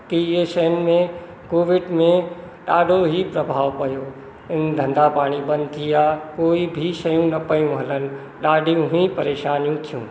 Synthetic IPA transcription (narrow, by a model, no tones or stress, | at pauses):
kieʃɐɦənɪ̆mẽ | koːʋɪɖmẽ | ɗaːɖʱoɦipɾɐbʱaːʋpɐjoː | ɪnd̪ʱɐ̃nd̪apaːɽ̃ibɐ̃nd̪t̪ʰijaːkoːibʱiʃɐjũnɐpɐjũɦɐlənɪ̆ | ɗaːɖʱijũɦĩpɐɾeːʃaːnijũt̪ʰijũː